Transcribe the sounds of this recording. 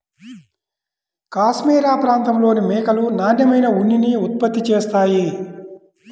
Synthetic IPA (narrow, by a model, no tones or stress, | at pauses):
kaːʃmiːɾaːpɾaːnt̪ɐmlo̞ːnimɛːkɐlunaːnjɐmɐjnɐunːiniːut̪̚pɐt̪ːit͡ʃeːst̪aːji